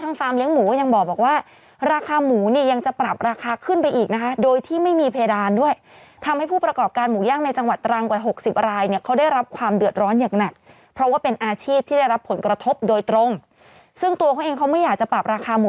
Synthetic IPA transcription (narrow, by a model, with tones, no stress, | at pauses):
t̪ʰa˦˥ŋfaː˧mli˦˥əŋmuː˩˦kɔ˥˩ja˧ŋbɔː˨˩k̚bɔː˨˩k̚waː˥˩ | ɾaː˧kʰaː˧muː˩˦niː˥˩ja˧ŋt͡ɕa˨˩pɾa˨˩p̚ɾaː˧kʰaː˧kʰɯ˥˩npa˧jʔiː˨˩k̚na˦˥kʰa˦˥doː˧jt̪ʰiː˥˩ma˥˩jmiː˧pʰa˧ja˧daː˧ndu˥˩əj | t̪ʰa˧mha˥˩jpʰuː˥˩pɾa˧kɔː˨˩p̚kaː˧nmuː˩˦jaː˥˩ŋna˧jt͡ɕa˧ŋwa˨˩t̪ːɾa˧ŋkwaː˨˩ɦo˨˩k̚si˨˩p̚ɾaː˧jni˥˩ɐkʰa˦˥wda˥˩jɾa˦˥p̚kʰwaː˧mdɯ˨˩ət̪̚ɾɔː˦˥njaː˨˩ŋna˨˩k̚ | pʰɾɔ˦˥waː˥˩pe˧nʔaː˧t͡ɕʰiː˥˩p̚t̪ʰiː˥˩da˥˩jɾa˦˥pʰːo˩˦nkɾa˧t̪ʰo˦˥p̚doː˧jt̪ɾo˧ŋ | sɯ˥˩ŋt̪u˧ɐkʰɔ˥nʔeː˧ŋkʰa˦˥wmɯ˥˩jaː˨˩k̚t͡ɕa˨˩pɾa˨˩p̚ɾaː˧kʰaː˧muː˩˦